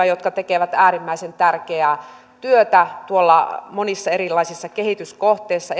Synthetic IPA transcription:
ɑjot̪kɑt̪ekeʋæt̪æːrimːæisent̪ærkeæː | t̪yøt̪æt̪uolːɑ̰monisːɑeɾilːˑɑisisːɑkehit̪yskoht̪eisːɑ

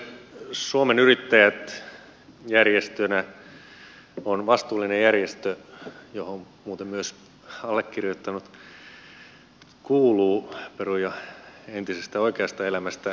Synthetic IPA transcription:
suomenyrit̪ːæjæt̪ | jærjest̪ønæ | onʋɑst̪uːlːinejærjest̪øjohom | muːt̪emmyøs | ɑlːekːirjot̪ːɑnut̪ | kuːluːperujɑent̪isest̪æoikeɑst̪ɑelæmæst̪æ

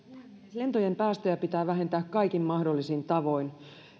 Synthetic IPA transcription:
le̞nt̪ojempæːst̪øjæpit̪æːʋæɦe̞nt̪æːkkɑikimmɑhdo̞lːisint̪ɑʋo̞in

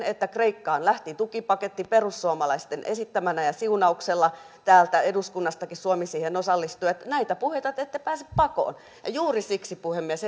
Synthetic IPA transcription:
et̪ːækreikːɑːnlæht̪it̪ukipɑket̪ːiperusːuomɑlɑist̪enʔesit̪ːæmænæjɑsiunɑukselːɑ | t̪æːlt̪æeduskunːɑst̪ɑkissuomisiːhenosɑlːist̪ujɑt̪næit̪æpuhet̪ɑt̪et̪ːepæːse̥ppɑko̰ːn | jɑ̰juːrisiksipuhemːies

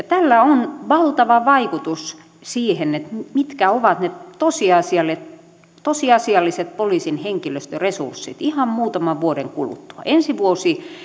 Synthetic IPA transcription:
jɑt̪ælːæonʋɑlt̪ɑʋɑʋɑikut̪us | siːhenet̪mit̪kæoʋɑt̪net̪osiɑsiɑlet̪ | t̪osiɑsiɑlːiset̪̚poliːˑsinheŋkiløst̪øresṵrsːit̪ihɑmmuːt̪ɑmɑʋʋuodeŋkulṵt̪ːu̥ɑ̰ʔensiʋuosi

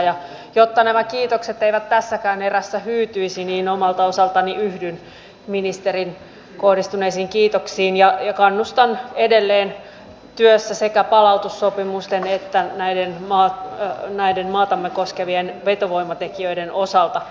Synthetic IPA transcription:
jɑ | jot̪ːɑnæmækiːt̪okset̪ːeiʋæt̪tæsːækæːneræsːæhyːt̪yisiniːnomɑlt̪ɑosɑlt̪ɑniʔyhdyn | minist̪erin | kohdist̪uneisiːŋkiːt̪oksiːnjɑjɑkɑnːust̪ɑnedelːeːn | t̪yøsːæsekæpɑlɑut̪usːopimust̪enet̪ːænæidenmɑːnæidenmɑːt̪ɑmːekoskeʋienʋet̪oʋoimɑt̪ekiøidenʔosɑlt̪ɑ

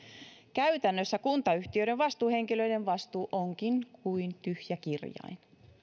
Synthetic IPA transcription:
kæyt̪ænːøsːækunt̪ɑyht̪iøɾeʋʋɑst̪uːhe̞ŋkiløideʋʋɑst̪uːʔoŋkiŋkʰuint̪yhjækirjɑ̰in

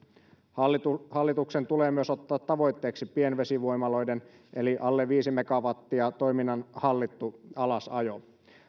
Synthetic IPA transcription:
hɑlːit̪uksent̪uleːmyøso̞t̪ːɑːt̪ːɑʋo̞jt̪ːe̞ːksipienʋesiʋojmɑlo̞jden | ʔe̞liʔɑlːeʋiːsimekɑʋɑt̪ːiɑt̪o̞jminːɑnhɑlːit̪ːuɑlɑsɑjo

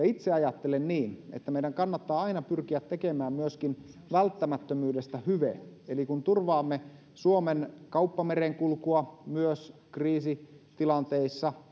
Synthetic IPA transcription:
it̪seɑjɑt̪ːelenniːnḛt̪ːæmeidæŋkɑnːɑt̪ːɑːɑinɑpyrkiæt̪ːekemæːmmyøskin | ʋælt̪ːæmæt̪ːømyːdest̪æhyʋḛelikunt̪urʋɑːmːe | suomenkɑupːɑmereŋkulkuɑmyøskriːsit̪ilɑnt̪eisːɑ

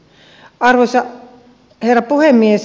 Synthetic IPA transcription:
ɑrʋosɑ | herːɑpuhemːies

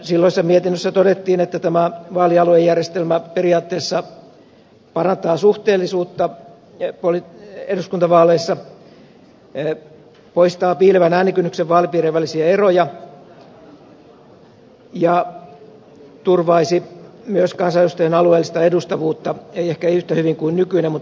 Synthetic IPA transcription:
silːoisːɑmiet̪inːøsːæt̪odet̪ːiːnet̪ːæt̪æmæʋɑːliɑluejærjest̪elmæperiɑːt̪ːeːsːɑ | pɑrɑnt̪ɑːsuht̪eːlːisuːt̪ːɑ | polieduskunt̪ɑʋɑːleisːɑ | poist̪ɑːpiːleʋænæːnikynːykseʋʋɑːlipiːreːʋʋælːisiæerojɑ | jɑ | t̪urʋɑisi | myøskɑnsɑjust̪ɑjɑnɑlueːlːˑist̪ɑedust̪ɑʋuːt̪ːɑeiehkæiyht̪æhyʋiŋkuinnykyinemut̪ː

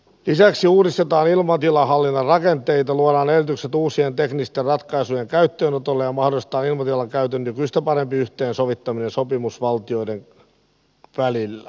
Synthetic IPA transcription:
lisæksiuːɾist̪et̪ɑːnilmɑt̪ilɑhɑlːinːɑrrɑkent̪eit̪ɑluoɾɑːnerit̪ykset̪uːsient̪eknist̪errɑt̪kɑisujeŋkæyt̪ːøːnot̪olːejɑmɑhdolˑiset̪ɑːnilmɑt̪ilɑŋkæyt̪ønːykyist̪æpɑɾempiyht̪eːnsoʋit̪ːɑminensopimusʋɑlt̪io̞iden | ʋælilːæ

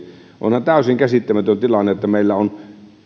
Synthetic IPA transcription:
ʔo̰nhɑnt̪æˑøsiŋkæsit̪ːæmæt̪ønt̪ilɑnːeot̪ːæmeˑilːæon

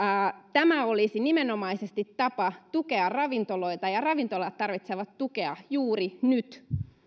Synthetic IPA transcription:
t̪æmæolisinimenomɑisest̪it̪tːɑpɑt̪ukeɑrrɑʋint̪oloit̪ɑjɑrɑʋint̪olɑt̪t̪ːɑrʋit̪seʋɑt̪tukeɑjuːrinyt̪

